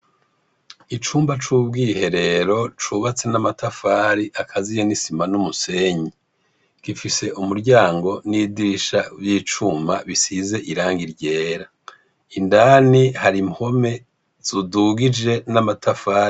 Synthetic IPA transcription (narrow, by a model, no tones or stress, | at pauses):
it͡ʃuːmbat͡ʃuːbɡiːhe̞ɾe̞ɾo̞t͡ʃuβat͡se̞namatafaːɾiʔakʰazijenisimanumuse̞ɲi | ɡ̥ifise̞ʔumuɾɟaːŋɡo̞nidiiʃavjiːt͡ʃuːmbaβisize̞ʔiɾaːŋɡiɾɟe̞ːɾa | indanihaɾimho̞me̞ | z̥uduɡid͡ʒe̞namatafaːɾi